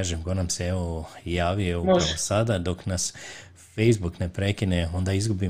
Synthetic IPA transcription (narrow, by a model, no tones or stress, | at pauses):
aːʒemɡo̞namseeʋo̞jaːʋieoasad̪ad̪o̞knas | fe̞jzbukne̞pɾe̞kineo̞nd̪aizɡubi